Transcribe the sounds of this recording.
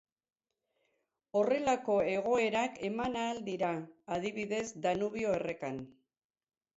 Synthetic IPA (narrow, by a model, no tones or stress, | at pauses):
o̞re̞lako̞e̞ɣo̞e̞ɾake̞manaːld̪iɾaːð̞iβ̞iðe̞zd̪anuβ̞io̞ere̞kan